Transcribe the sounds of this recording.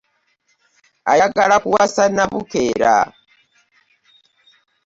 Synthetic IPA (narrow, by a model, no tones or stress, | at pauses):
a̰jaɡaɺakuwasanaβukɛɾa̰